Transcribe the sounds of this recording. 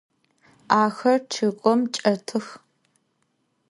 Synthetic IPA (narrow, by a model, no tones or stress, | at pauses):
aːxɐrʈ͡ʂʰɨkʷʼɔmt͡ʃʼɐtʰɨx